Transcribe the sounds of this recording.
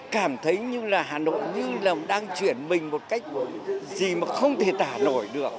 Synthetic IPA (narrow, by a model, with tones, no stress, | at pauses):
kaː˧˩mt̪ʰə˨˦jɲɨ˧laː˨˩ɦaː˨˩no̰˧˨jɲɨ˧laː˨˩ɗaː˧ŋt͡ɕwi˧˩ənmï˨˩ŋ̟mo˨˩t̚ka˦˥jk̟̚zi˨˩maː˨˩xə˧wŋ͡mt̪ʰe˧˩t̪aː˧˩no̰˧˩jɗɨ˨˩ək̚